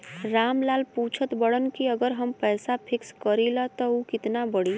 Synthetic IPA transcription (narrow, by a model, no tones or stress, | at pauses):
ɾaːmlaːlput͡ʃʰət̪bəɽənkiəɡəɾɦəmpɛɪsapʰɪkskəɾilat̪ɔukɪt̪nabəɽi